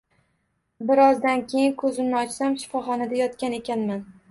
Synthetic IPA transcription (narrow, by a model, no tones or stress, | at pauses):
bɪɾɒzd̪ankʲʰe̞jɪnkʰɵzɪmnɪɒt͡ʃsamʃɪ̥fɒχɒnad̪ajɒt̪kʲane̞kʲanman